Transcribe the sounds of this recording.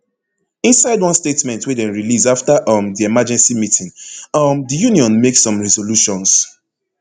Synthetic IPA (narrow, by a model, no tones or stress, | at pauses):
ĩnsaɪdwʌ̃nstetmɛ̃ntwidɛ̃nɹilizaftaʔʌmðiemad͡ʒɛ̃nsimitĩŋʌmðəjuniɔ̃nmeksːɔ̃mɹɛzoluʃɔ̃ns